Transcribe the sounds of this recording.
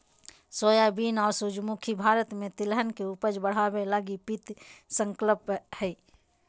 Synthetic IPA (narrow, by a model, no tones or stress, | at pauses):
soːjabiːnɔːɾsʊd͡ʒmukʰibʱaːɾət̪mẽt̪ɪlɦənkeupəd͡ʒbəɽ̤aːwelaɡipit̪sə̃ŋkləphɛ